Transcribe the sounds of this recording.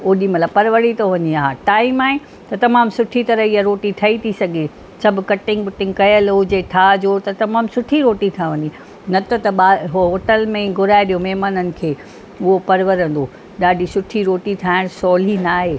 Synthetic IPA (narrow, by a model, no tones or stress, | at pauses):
oɗĩmɐt̪ləbpɐɾʋəɽit̪oʋɐɲiaːɦaʈaːimaːɦẽ | t̪ɐt̪ɐmaːmsʊʈʰit̪ɐɾəɦiaɾoːʈit̪ʰɐit̪ʰisɐɡʱe | sɐb̆ʱkɐʈɪ̃ŋɡʊʈɪ̃ŋɡkɐjəlʊd͡ʑeʈʰad͡ʑoːt̪ɐt̪ɐmaːmsʊʈʰiɾoːʈit̪ʰaʋɐ̃ɲi | nɐt̪ɐt̪ɐɓaːɦɦoːʈəlmẽɡʱʊɾaːɪɗijomɛɦmaːnənɪ̆kʰeː | ʊɦopɐɾʋəɾə̃nd̪oː | ɗaːɖʱisʊʈʰiɾoːʈit̪ʰaːɪɽ̃sɔːl̤inaːɦeː